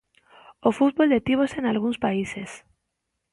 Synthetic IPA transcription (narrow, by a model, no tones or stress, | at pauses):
ofut̪̚βold̪et̪iβ̞osenalɣuŋspaises